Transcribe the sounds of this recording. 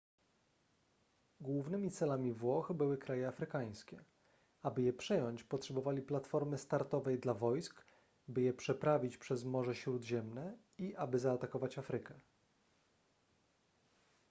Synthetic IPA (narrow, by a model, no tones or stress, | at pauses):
ɡwuvnɘmʲit̪sɛlamʲivwɔxbɘwɘkɾajɛafɾɘkaj̃skʲɛ | abɘjɛpʂɛjɔɲt͡ɕpɔtʂɛbɔvalʲiplat̪fɔɾmɘst̪aɾt̪ɔvɛjd̪lavɔjsk | bɘjɛpʂɛpɾavʲit͡ɕpʂɛzmɔʐɛɕɾud̪ʑɛmnɛ | iʔabɘzaːt̪akɔvat͡ɕafɾɘkɛ